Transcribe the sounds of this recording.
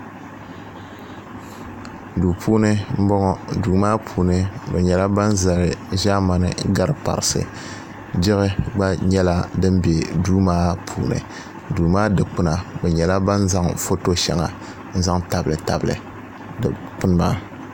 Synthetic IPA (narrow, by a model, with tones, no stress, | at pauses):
duː˨pʰuː˦nɨ˦m̩˦bɔ˦ŋɔ˦duː˨maː˦pʰuː˨nɨ˦bɛ˨ɲɛ˨la˦ba˦n˦za˨ɾɨ˨ʒaː˦ma˨nɨ˨ɡa˦ɾɨ˦pa̰˨ɾɨ˨sɨ̰˨ | d͡ʒɪ˦ɣɪ˦ɡ͡ba˦ɲɛ˦la˦dɨ˦m˦be˨duː˦maː˦pʰuː˨nɨ̰˨ | duː˨maː˦dɨ˨k͡pɨ˦na˨bɛ˨ɲɛ˨la˦ba˦n˦za˦ŋfo˦to˦ʃɛ̰˨ŋa˨ | n̩˦za˦ŋta˨bɨ˨lɨ˨ta̰˨blɨ̰˨ | k͡pʊ˦n˦maː˦